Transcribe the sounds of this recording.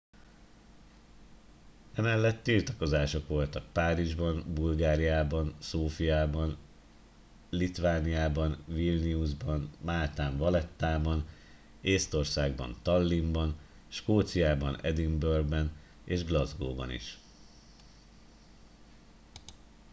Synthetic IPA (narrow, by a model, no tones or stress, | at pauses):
ɛmɛlːɛt̪ːilt̪ɒko̞zaːʃo̞kʋo̞lt̪ɒk̚paːɾiʒbɒnbulɡaːɾijaːbɒnsoːfijaːbɒn | lit̪ʋaːnijaːbɒnvilniuʒbɒnmaːt̪aːɱvɒlɛt̪ːaːbɒn | eːst̪o̞rsaːɡbɒ̰nt̪ɒlːimbɒn | ʃkoːt̪sijaːbɒnɛd̪imbørɡbɛn | eːʒɡlɒzɡo̰ːbɒ̰nḭʃ